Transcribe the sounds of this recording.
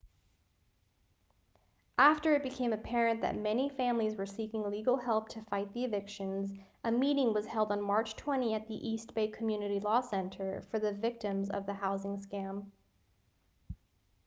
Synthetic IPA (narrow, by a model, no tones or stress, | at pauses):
ʔæftə˞ɨt̚b̥ɨkʰẽɪ̃mɨpʰɛɹɨ̃nðɨ̰t̚mɛnifæ̃mlizwə˞sikɪ̃ŋliɡl̩ˠhɛlˠp̚tʰɨfaɪt̪̚ðiɨdɪkʃɨ̃nzʔɨmiɾɪ̃ŋwʌz̥hɛlˠdn̩mɑɹt͡ʃtʰw̥ɛ̃ɾ̃iɨt̪̚ðiʔist̚b̥eɪkʰm̩jʉnɨɾilɔsɛ̃ntʰə˞fə˞ðɨvɪk̚tɨ̃mzʌ̰vðɨhaʊzɪ̃ŋskæ̃m